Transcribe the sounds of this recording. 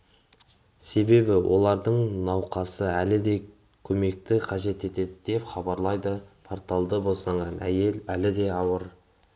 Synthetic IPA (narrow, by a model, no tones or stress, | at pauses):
se̞be̞bɪwʔo̞̰lˠɑɾd̪əɴnɑwqɑsəælɪd̪e̞ | kʲʰɵme̞k̚t̪ɪqʰɑʒe̞t̪e̞t̪e̞d̪ɪd̪e̞pχɑbɑɾlˠɑjd̪əpʰoɾt̪ɑlˠd̪əbo̞sɑɴʁɑnʔæ̰jelælɪd̪e̞ɑwəɾ